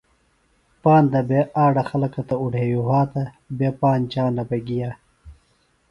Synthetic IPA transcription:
paːnd̪ɐbeaːɖɐxɐlɐkɐt̪ɐuɽʱeːjuɦaːt̪ɐ | beːpaːnt͡ɕaːnɐbɐɡijaː

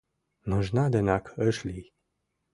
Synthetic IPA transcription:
nɔʒnad̪ənakəʃli

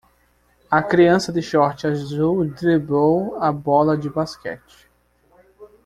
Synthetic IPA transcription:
ɐkɾiɐ̃sɐd̪ɪʃɔɾt͡ʃɪazuwd̪ɾibowɐbɔlɐd͡ʒɪbaskɛ̰t͡ʃɪ̥

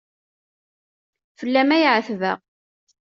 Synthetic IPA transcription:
fəlːæmæjʕəθvə̰ʁ

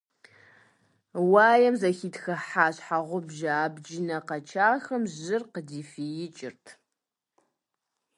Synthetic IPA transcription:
waːjɛmzɐxiːtxɐħaːɕħaʁʷʊbʒaːbd͡ʒɪnɐqɐt͡ʃʰaːxɐmʑɪrqədiːfijɪt͡ʃʼɪrtʰ

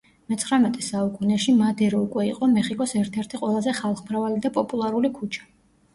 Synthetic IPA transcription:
mɛt̪sʰχɾanɛt̪ʼɛsaukʼunɛʃimad̪ɛɾɔukʼwɛiqʼɔmɛχikʼɔsɛɾt̪ʰɛɾt̪ʰiqʼwɛlˠazɛχalˠχmɾavalid̪apʼɔpʼulˠaɾulikʰut͡ʃʰḁ

